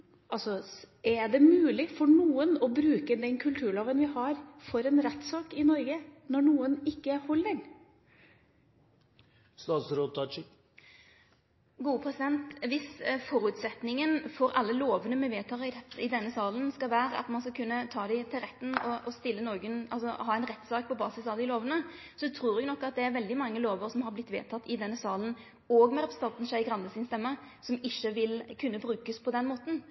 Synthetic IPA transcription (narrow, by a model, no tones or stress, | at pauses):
ʔɑlsɔ | ɛɖɛmʉːlɪfɔɳuːənɔbɾʉːkəd̪ɛnkʰʉlt̪ʰʉːɭoːʋənʋɪɦɑɾfɔɾɛnɾɛt̪ːsɑːkɪnɔɾɡənɔɳuːənɪkːəæɾhɔld̪ɪŋ | st̪ɑːt̪sɾoːt̪ɑt͡ʃ | ɡuːəpʰɾɛsɪd̪ɛnt̪ʋɪsfɔɾʉːt̪sɛt̪nɪŋənfɔɾɑlːəloːʋənəmɛʋeːt̪ʰɑːɪɪd̪ɛnːəsɑːlənskɑlʋæːɾəɑ̰t̪mɑnskɑkʰʉnːət̪ʰɑːd̪æɪt̪ʰɪlʁɛt̪ːnɔʔɔst̪ɪlːənɔːɡənɑlsɔɦɑːæɪnʁɛt̪ːsɑːk̚pʰɔbɑːsɪsɑʋd̪ɪloːʋənə | sɔt̪ʰɾuːɾɛɡnɔkːɑt̪̚d̪ɛæɾʋɛld̪ɪmɑŋːəloːʋəɾsɔmhɑɾblɪt̪ːʋḛːt̪ʰɑt̪ːɪd̪ɛnːəsɑːlən | ɔːɡmɛɾɛpɾsəɑlt̪n̩sæɪɡʁɑnd̪əsɪnst̪ɛmːə | sɔmɪʃːəʋɪlkʰʉnːəbɾʉːkəspʰɔd̪ɛnmoːt̪n̩